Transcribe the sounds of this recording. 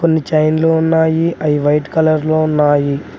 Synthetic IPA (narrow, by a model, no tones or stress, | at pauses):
konːit͡ʃɐjnloːunːaːjiʔɐjiʋɐjʈkɐlɐɾloːunːaːji